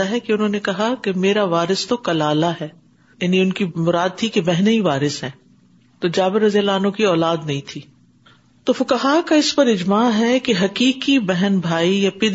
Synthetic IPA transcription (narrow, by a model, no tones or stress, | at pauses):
aɦɛkeʊnɦõːnekɐɦakemeːɾaʋaːɾɪst̪okɐlaːlaɦɛː | jaːniʊnkimʊɾaːd̪̚t̪ʰikebɛɦneiʋaːɾɪsɦɛ̃ː | t̪oːd͡ʒaːbɪɾːɐzijəlaːnõkiɔːlaːd̪nɐɦĩt̪ʰiː | t̪oːfʊkaɦaːkaɪspɐɾɪd͡ʒmaːɦɛkeɦɐkiːkibɛɦɛnbʱaːijapɪd̪